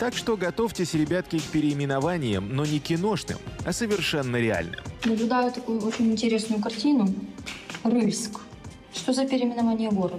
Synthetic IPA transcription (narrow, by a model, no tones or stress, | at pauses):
t̪akʂt̪o̞ɡɐt̪ofʲtʲɪsʲɾʲɪbʲat̪̚kʲɪk̚pʲɪɾʲɪːmʲɪnɐvanʲɪjə̰mno̞nʲɪkʲɪno̞ʂnɨ̰mɐsəvʲɪrʂɛnːəɾʲɪa̰lʲnɨ̰mnəblʲʊd̪ajʊt̪ɐkujʊot͡ɕɪnʲɪnʲtʲɪɾʲe̞snʊjʊkɐrtʲinʊ | rɨlʲsk | ʂt̪ozəpʲɪɾʲɪmʲɪnɐvanʲɪjəɡo̞ɾəd̪ə